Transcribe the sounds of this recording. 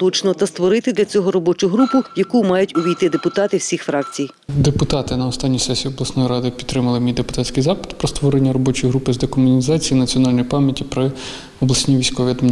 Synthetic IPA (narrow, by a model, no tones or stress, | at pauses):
t̪ɔt͡ʃnɔt̪ɐst̪ʋɔɾɪt̪ɪd̪lʲɐt͡sʲɔɦɔɾɔbɔt͡ʃʊɦɾupʊjɐkumɑjʊtʲʊʋʲijt̪ɪd̪epʊt̪ɑt̪ɪwsʲixfɾɑk̚t͡sʲij | d̪epʊt̪ɑt̪ɪnɐɔst̪ɑnʲːijsɛsʲiːɔblˠɐsnɔjɾɑd̪ɪpʲi̥t̪ːɾɪmɐlˠɪmʲijd̪epʊ̥t̪ɑtʲsʲkɪjzɑpɪ̥d̪pɾɔst̪ʋɔɾenʲːɐɾɔbɔt͡ʃɔjɦɾupɪzd̪ekɔmʊnʲizɑt͡sʲijinɐt͡sʲiɔnɑlʲnɔjpɑmʲjɐtʲipɾɪ | ɔblˠɐsʲnʲiʋʲijsʲkɔʋʲiɐd̪mnʲ